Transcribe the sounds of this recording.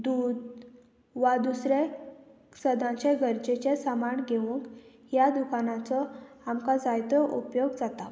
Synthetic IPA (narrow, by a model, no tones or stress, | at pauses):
d̪ud̪ | ʋad̪usɾe | səd̪ʱãt͡ɕeɡʱəɾd͡ʑet͡ɕesəmaɳɡʱeʋũŋk | jad̪ukʰanãt͡sɔamkad͡zajt̪ɔʔupjoɡd͡zat̪a